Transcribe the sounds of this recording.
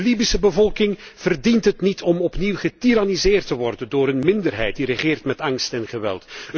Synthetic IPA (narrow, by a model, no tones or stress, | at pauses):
libisəbəvɔlˠkɪŋ | v̥ərdintɦətnitʰɔmɔpniwχətiɾanizɪːrtəʋɔrdəndoːɾənmɪndərɦɛ̰jt̚dirəχɪːrtmɛtɑŋstɛnχəʋɛ̰lˠt